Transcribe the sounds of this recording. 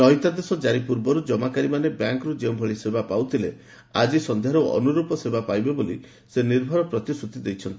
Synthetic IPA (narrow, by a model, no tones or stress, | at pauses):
ɾɔɦjt̪ad̪esɔd͡ʒaɾipuɾbɔɾud͡ʒɔmakaɾimanebjaŋkɔɾud͡ʒeũbʱɔɭisebapawt̪ʰile | a̰d͡ʒisɔnd̪ʱjaɾuɔ̰nuɾupɔsebʱapajbeboli | seniɾbʱɔɾɔpɾɔt̪isut̪id̪ejt͡ʃʰɔnt̪i